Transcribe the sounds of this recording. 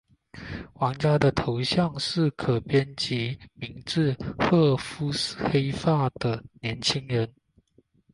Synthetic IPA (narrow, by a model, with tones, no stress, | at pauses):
wɑ˧˦˥ŋt͡ɕja˥d̪ə˨t̪ʰo˧˦ʊɕjɑ˥˨˧ŋʂɻ̩˥˩kʰɤ˨˩pjɛ˥nt͡ɕi˨˦mi˨˥ŋʈ͡ʂɻ̩˥˧xɤ˥˩fu˥s̩˨xe˥ɪfa˥˩d̪̥ə˨njɛ˨˧˦nt͡ɕʰi˥ŋɻə˨˦n